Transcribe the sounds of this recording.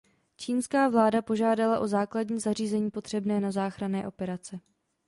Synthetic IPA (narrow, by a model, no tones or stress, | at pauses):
t͡ʃiːnskaːvlaːdapo̞ʒaːdalaʔo̞zaːkladɲiːzariːzɛɲiːpo̞t̪r̥ɛbnɛːnazaːxɾanɛːʔo̞pɛɾat͡sɛ